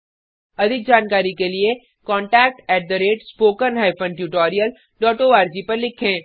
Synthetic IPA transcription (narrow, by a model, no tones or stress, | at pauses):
ɐd̪ʱɪk̚d͡ʒaːnkaːɾikelie | kɔ̃ːɳʈɛːk̚ʈɛːʈ̚d̪əɾeːʈspoːkənɦaːɪpʰə̃nʈjuːʈoːɾijəl | ʈɔːʈoaːɾd͡ʒipɐɾlɪkʰẽː